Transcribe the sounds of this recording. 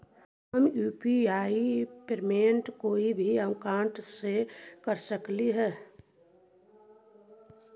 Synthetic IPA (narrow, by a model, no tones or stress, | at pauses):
ɦəmjuːpiaːipeɾmeɳʈkoːibʱiəkãːɳʈsekəɾsəkliɦɛː